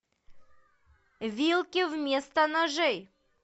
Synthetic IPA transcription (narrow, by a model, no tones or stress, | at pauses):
vʲilˠkʲɪvmʲest̪ənɐʐɛj